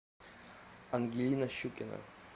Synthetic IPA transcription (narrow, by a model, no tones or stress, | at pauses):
anɡʲilʲinaɕukʲena̰